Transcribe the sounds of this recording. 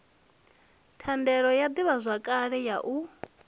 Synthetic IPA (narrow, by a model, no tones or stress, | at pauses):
tʰandɛɺɔjad̪iβazʷakʼaɺɛjaʔu